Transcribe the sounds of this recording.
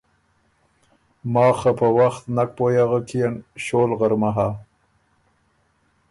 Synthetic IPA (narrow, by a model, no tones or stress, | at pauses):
mɑːxapəwaxt̪nak̚pojaɣəkʰijenʃolɣəɾmaɦa